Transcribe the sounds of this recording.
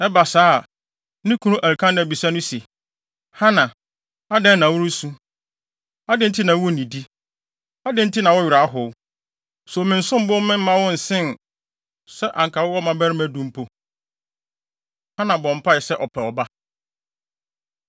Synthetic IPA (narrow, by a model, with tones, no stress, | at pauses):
ɛ˦ba˨saː˦˨˦ | nɪ̃˦kʰũ˦nũ˦ʔæ˨ɾkʰã˦ñ˨bi˨sa˦nʊ̃˦se˨ | hã˦nã˨ | a˦dɛ̃˦nːã˨wʊ˦ɾʊ˦su˦ | a˦dɪ̃˦tʰɪ˦nã˨wɔ˦˨nĩ˨di˦ | a˦dɪ̃˦n̩˦tʰɪ˦nã˨wɔ˦ɥɪ˨ɾa˨˦ɦʊ˨w | sɔ˨mɪ̃˨n̩˦sʊ̃˦m˦bʊ˦mɪ̃˦m̩˦mã˦wʊ̃˦n̩˨sɪ̃˦n | sɛ˦ʔã̰˨ŋkʰa˨wʊ˦wɔ˦mã˨bɛ˦ɾɪ˦mæ̃˦dũ˦m̩˦pʰo˨ | hã˦nã˨bɔ̃˨m̩˨pʰa˦ɪ˨sɛ˦ʔɔ˨pʰɛ˨ɔ˨ba˦